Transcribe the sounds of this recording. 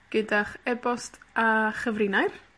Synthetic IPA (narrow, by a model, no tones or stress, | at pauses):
ɡ̥ədaχɛbɔstʰaχəvrɪnajr